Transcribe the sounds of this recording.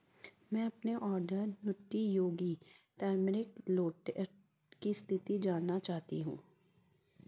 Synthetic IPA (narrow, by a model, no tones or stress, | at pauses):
mɛ̃ːɐpneʔɔːɾɖəɾnʊʈːijoːɡiʈɛːɾmɪɾɪkloːʈe | kist̪ʰɪt̪id͡ʒaːnnːat͡ʃaːɦt̪ḭɦṵ̃ː